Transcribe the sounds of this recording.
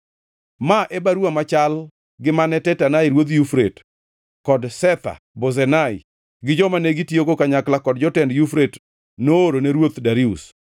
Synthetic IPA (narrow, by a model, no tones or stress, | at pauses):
maʔebaɾuamat͡ʃal | ɡɪmanɛtɛtanajɾwot̪̬jufɾet | kɔdsɛt̪a̰ | bozɛnaɪ | ɡɪd͡ʒɔmaneɡɪtjoɡokaɲaklakɔdd͡ʒɔtɛndjufɾet | noːɾoneɾwot̪daɾiṵs